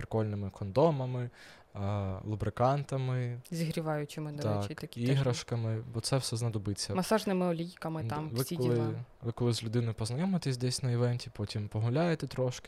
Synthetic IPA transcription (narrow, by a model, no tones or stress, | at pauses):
pɾɪ̥kɔlʲnɪmɪkɔnd̪ɔmɐmɪ | lˠʊbɾɪkɑnt̪ɐmɪzʲiɦɾʲiʋɑjʊt͡ʃɪmɪd̪ɔt̪ɛt͡ʃkiɐkʲiɦɾɐʃkɐmɪbɔt̪sɛwsɛznɐd̪ɔbɪt͡sʲːɐmɐsɑʒnɪmɪɔlʲijkɐmɪt̪ɑmʋsiɔlʲˠɪʋɪkɔlˠɪzlʲʊd̪ɪnɔjʊpɔznɐjɛmɔt̪ɛsʲd̪ɛsʲnɐjɪʋɛnʲtʲipɔtʲimpɔɦʊlʲajet̪ɛt̪ɾɔʃkɪ